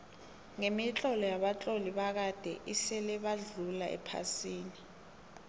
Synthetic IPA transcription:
ŋemit͡ɬʼɔlɔjaɓat͡ɬʼoliɓak̬ad̥ʱɛʔisɛlɛɓaɮulaʔɛ̰pʰa̰siːni

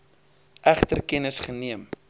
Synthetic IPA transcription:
ʔæχtərkɛnəsχəniəm

